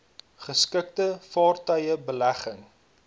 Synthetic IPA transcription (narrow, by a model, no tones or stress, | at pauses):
χəskək̚təfɑːrtœjəbəlæχəŋ